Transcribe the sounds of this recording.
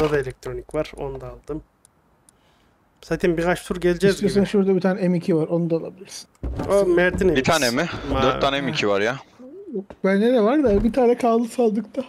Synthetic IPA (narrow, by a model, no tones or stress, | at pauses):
d̪ad̪aelʲɛk̚t̪ʰɾo̞nicvaɾ̥o̞̰nud̪aːlˠd̪ɯm | sat̪ʰimbiɾat͡ʃt̪ʰuɾɟelʲid͡ʒɛzsaʃuɾd̪abit̪ʰaːnɛɛmicʰivaɾo̞nud̪aolˠa̰bilʲiɾsi̥nomæɾt̪ʰinebit̪ʰaːnɛmɪdaøɾːaːnɛmicʰivaɾja | bænːed̪ɛvaɾd̪abit̪ʰaːnɛkʰalˠɯsalˠd̪ɯkt̪ʰa